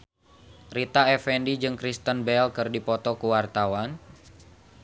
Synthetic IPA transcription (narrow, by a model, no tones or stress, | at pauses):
rit̪aɛfɛndid͡ʒɨŋkɾist̪ənbɛlkɨrdipɔt̪ɔkuwart̪awan